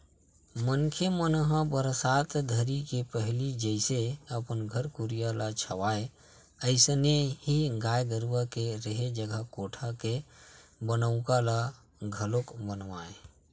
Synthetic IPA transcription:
mənkʰemənɦə̃bəɾsat̪d̪ʱəɾikepəɦlid͡ʒəɪseəpənɡʱəɾkuɾijalat͡ʃʰəʋae | əɪsnehiɡajɡ̪əɾwakeɾəɦed͡ʒəɡʱəkoʈʰakebənəʊ̃kala | ɡʱəlokbənʋae

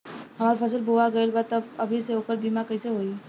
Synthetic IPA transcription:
ɦɐmaːɾipʰɐsəlbʱoʋaɡəɪlbaːd̪t̪ɐbɐbʱiseɦoːkəɾbiːmakəiseɦoːi

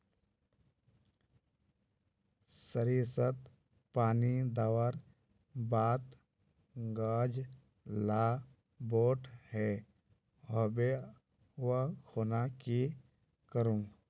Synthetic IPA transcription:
səɾiːsət̪ | paːnid̪aːwəɾ | baːt̪ | ɡaːd͡ʒ | laː | boːʈhɛ | ɦobe | əkʰoːnaki | kəɾũː

